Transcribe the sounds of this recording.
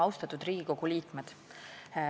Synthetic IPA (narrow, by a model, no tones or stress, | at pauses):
ɑwst̪ɑt̪ːˑud̪̥riːɡ̥iko̞ɡ̥uliːkme̞d̪̥